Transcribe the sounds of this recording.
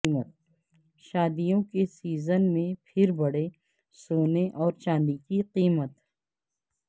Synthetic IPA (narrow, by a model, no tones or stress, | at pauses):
mət̪̚ | ʃaːd̪ijõkesiːzənmẽpʰɪɾbɐɽ̤e | soːneʔɔːɾt͡ʃãːnd̪ikiqiːmət̪